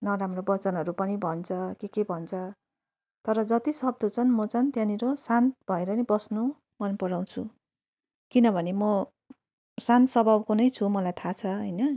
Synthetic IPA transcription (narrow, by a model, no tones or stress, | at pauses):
nʌɾamrobʌt͡sʌnɦʌɾupʌnibʱʌnt͡sʰʌkekebʱʌnt͡sʰʌ | t̪ʌɾʌd͡zʌt̪isʌb̚d̪ʱot͡sʰʌnmʌt͡sʌnt̪jãniɾosant̪bʱʌeɾʌnibʌsnu | mʌnpʌɾaw̃t͡sʰu | kinʌbʱʌnemʌ | sant̪sʌbʱʌbkunʌjt͡sʰumʌlajt̪ʰat͡sʰʌɦʌjnʌ